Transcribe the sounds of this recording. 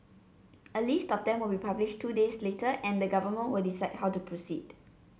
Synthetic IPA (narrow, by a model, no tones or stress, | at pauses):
ʔəlistɔfdɛ̃mwəlbipabliʃtʰːudesletəʔɛ̃ndəɡavəmə̃nwəldisaɪd̚hawtupʰɹosid